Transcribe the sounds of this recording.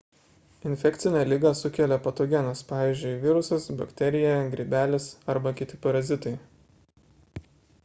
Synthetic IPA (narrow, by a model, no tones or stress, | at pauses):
ɪnʲfʲɛkt̪sʲɪnʲɛːlʲiɡɐsʊkʲɛlʲɛpɐt̪oːɡʲɛnɐspɑːʋʲiːˑzʲd͡ʒʲʊɪʋʲɪˑɾʊsɐsbɐkʲt̪ʲɛɾʲɪjɛɡɾʲiːbʲæːlʲɪsɐɾbɐkʲɪt̪ʲɪpɐɾɐzʲɪt̪ɐɪ